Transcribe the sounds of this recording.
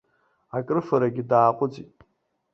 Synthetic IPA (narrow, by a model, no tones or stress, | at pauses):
akʼɨrfaɾaɡʲidaːqʷʼʊd͡zʼitʼ